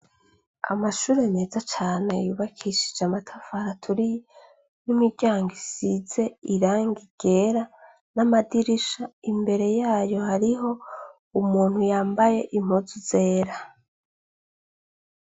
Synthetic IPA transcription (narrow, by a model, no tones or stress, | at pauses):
a̰maʃuːɾe̞ne̞ːzat͡ʃaːnejuːβakʰiʃi̥d͡ʒamatʰafaɾatʰuɾi | nimiɾɟaːŋɡisiz̥e̞iɾaːŋɡiɡ̥e̞ːɾa | namadiɾiʃaimbe̞ɾe̞jaːjo̞haɾiɦo̞ | umuːn̥hujaːmbaje̞ʔim̥huzuze̞ːɾa